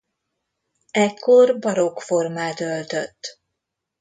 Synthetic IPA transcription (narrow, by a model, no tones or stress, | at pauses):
ɛkːo̞rbɒɾokfo̞rmaːt̪ølt̪øt̪ː